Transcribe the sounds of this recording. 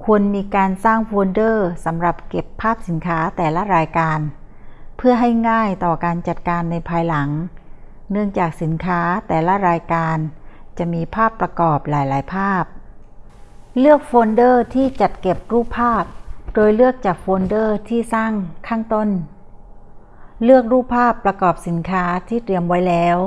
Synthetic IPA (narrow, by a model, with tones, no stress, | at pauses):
kʰu˧ənmiː˧kaː˧nsaː˥˩ŋfoː˧ndɤː˥˩sa˩˦mɾa˨˩p̚ke˨˩pʰːaː˥˩p̚si˩˦nkʰaː˦˥t̪ɛː˨˩la˦˥ɾaː˧jkaː˧npʰɯ˥˩əɦa˥˩jŋaː˥˩jt̪ɔː˨˩kaː˧nt͡ɕa˨˩t̪̚kaː˧nːa˧jpʰaː˧jla˩˦ŋ | nɯ˥˩əŋt͡ɕaː˨˩k̚si˩˦nkʰaː˦˥t̪ɛː˨˩la˦˥ɾaː˧jkaː˧nt͡ɕa˨˩ʔmiː˧pʰaː˥˩pːɾa˧kɔː˨˩p̚laː˩˦jlaː˩˦jpʰaː˥˩p̚ | lɯ˥˩ək̚foː˧ndɤː˥˩t̪ʰiː˥˩t͡ɕa˨˩t̪̚ke˨˩p̚ɾuː˥˩pʰːaː˥˩p̚doː˧jlɯ˥˩ək̚t͡ɕaː˨˩k̚foː˧ndɤː˥˩t̪ʰiː˥˩saː˥˩ŋkʰaː˥˩ŋt̪o˥˩n | lɯ˥˩ək̚ɾuː˥˩pʰːaː˥˩pːɾa˧kɔː˨˩p̚si˩˦nkʰaː˦˥t̪ʰiː˥˩t̪ɾi˧əmwa˦˥jlɛː˦˥w